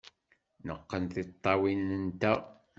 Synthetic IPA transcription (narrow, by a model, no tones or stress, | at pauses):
nəqːənθɪt̪ˤːɑwinənt̪æ